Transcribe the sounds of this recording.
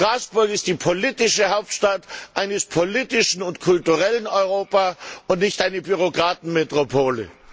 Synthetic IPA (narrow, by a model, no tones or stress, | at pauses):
ʁ̥aːsb̥ʊɐkɪstd̥iːpʰoliːtɪʃəhaʊp̚tʃtatʔaɪnəspʰoliːtɪʃn̩ʊntkʰʊltuʁɛlənɔʏʁoːpaʊntnɪçtʔaɪnəbyʁ̞okʁ̥aːtn̩metʁ̥opʰoːlə̰